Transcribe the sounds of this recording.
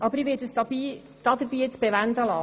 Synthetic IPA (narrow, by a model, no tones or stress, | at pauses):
ʔɑbəɾiʋɪːɾdəsdɑbiː | d̥ɑːd̪əɾbiːet͡sb̥ɛʋænd̪əlɑ